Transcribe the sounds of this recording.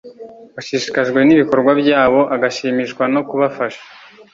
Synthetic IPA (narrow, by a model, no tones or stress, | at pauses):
waʃiʃi̥kaʒɡwe̞niβiko̞ɾɡwabɟaːβo̞ʔaɡaʃiːmiʃkwano̞kuβafaʃḁ